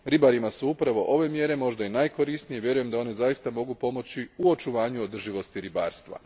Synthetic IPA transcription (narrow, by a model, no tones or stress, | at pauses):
ɾibaɾimasuupɾaʋo̞ʔo̞ʋe̞mje̞ɾe̞mo̞ʒd̪ajenajko̞ɾisnijeʋje̞ɾuje̞md̪ao̞ne̞zajist̪amo̞ɡupo̞mo̞t͡ɕiuo̞t͡ʃuʋaːɲuod̪r̩ʒiʋo̞st̪iɾiba̰ːɾst̪ʋa̰